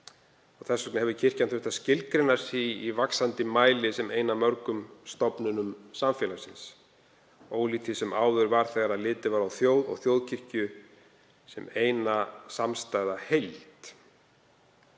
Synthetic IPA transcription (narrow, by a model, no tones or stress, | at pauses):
ɔɣθɛsːɔknɪhɛvðʏcʰɪr̥cant̪ʰʏht̪ascɪlkɾɪnaɾ̥siivaksant̪ɪmaːjlɪsɛmeːjnamœɾkʏmst̪ɔpnʏnʏmsamfjɛːlasɪns | oːwlit̪ʰɪsɛmʔaːwðʏɾvaɾ̥θɛɣaɾaðlɪːt̪ɪvaːɾawθjoːwðɔ̰ɣθjoːwðcʰɪr̥cʏ | sɛmeːjnasamst̪aːjðahejlt̪